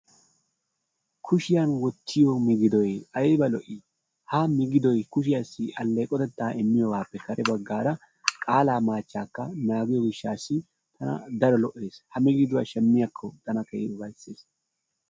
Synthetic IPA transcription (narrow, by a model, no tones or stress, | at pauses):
kʰʊʃɪjɐnwɔt̪ːɪjɔmɪɡɪd̪ɔjɐjbɐlɔʔɪ | hamɪɡɪd̪ɔjkʊʃɪjɐsːɪɐlːɛjkʼɔt̪ɛt̪ːaːɛmːɪjɔwaːpːɛkɐɾɛbɐɡːaːɾɐ | kʼaːlaːmaːt͡ʃːaːkːɐnaːɡɪjɔɡɪʃːaːsːɪ | t̪ʰɐnɐ̰d̪ɐɾɔlɔʔːe̞ːshɐmɪɡɪd̪ʊwa̰ʃɛmːɪjɐkʰːɔt̪ɐnɐkɐʔɛbɐjsːeːs